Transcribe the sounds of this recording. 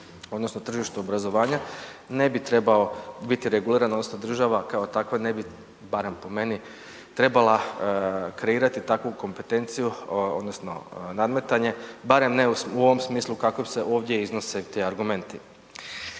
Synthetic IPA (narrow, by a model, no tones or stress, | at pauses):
o̞d̪no̞snot̪r̩ʒiʃt̪uobɾazo̞ʋaːɲane̞bit̪ɾe̞bao̞bit̪iɾe̞ɡuliːɾano̞d̪nosno̞d̪r̩ʒaʋakao̞t̪akʋane̞bi | baɾe̞mpo̞me̞ni | t̪ɾe̞bala | kɾe̞iːɾat̪it̪akʋuko̞mpe̞t̪e̞nt̪sijuo̰d̪nosno̞̰nad̪me̞t̪aɲe̞baɾe̞mne̞uuo̞ʋo̞msmiːslˠukako̞bse̞ʔo̞ːʋd̪je̞iznoset̪eaɾɡume̞nt̪i